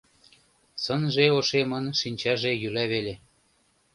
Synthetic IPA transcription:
sɤnʒeoʃemɤnʃinʲt͡ɕɑʒejylæβele

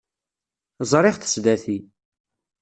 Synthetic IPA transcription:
zˤɾˤɪʁθə̥sd̪æθi

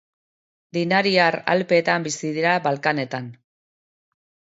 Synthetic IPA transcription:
d̪inaɾiaɾa̰lpe̞ːt̪ambisiðiɾabalkane̞t̪an

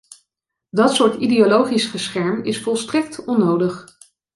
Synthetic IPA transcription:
dɑtsʊːɹtideolowχisχəsχɛɹmɪsfɔlˠstrɛk̚tɔnːowdəχ

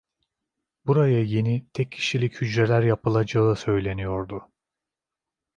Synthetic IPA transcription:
buɾajaje̞nit̪ʰɛcʰːi̥ʃilʲichyd͡ʒɾelʲæɾjapɯlˠad͡ʒaɯsø̞jlʲe̞nijo̞ɾd̪ʊ

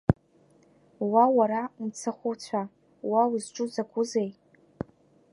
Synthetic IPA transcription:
wawaɾamt͡sʰaχʷʊt͡sʷʰa | wawizʈ͡ʂʼʊzakʷʰʼʊzej

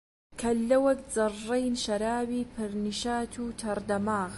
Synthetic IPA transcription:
kʰɐlːɐwɐkd͡zɨrːejnʃɐɾaːbiːpʰɨɾniʃaːt̪ʰuːt̪ʰɐɾd̪ɐmaːɣ

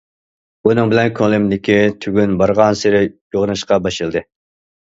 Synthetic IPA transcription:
unɨŋbɪlɛnkʰolˠɪmlɪkʲʰit̪ʰyɡʲynbɑɾʁɑnsɪɾɪjoʁnɨʃqɑbɑʃɨlˠd̪ɨ

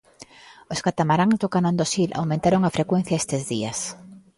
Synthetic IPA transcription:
oskat̪amaɾaŋzd̪okanãnd̪osilʔa̰wmẽnt̪aɾoŋafɾekwen̟θjaest̪ɪzðiɐs

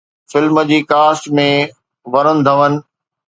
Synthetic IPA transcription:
fɪlməd͡ʑiːkaːsʈmẽ | ʋɐɾənɪ̆d̪ʱɐʋənɪ̆

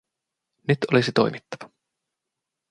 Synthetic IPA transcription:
nyt̪o̞lisit̪o̞̰jmit̪ːɑʋɑ

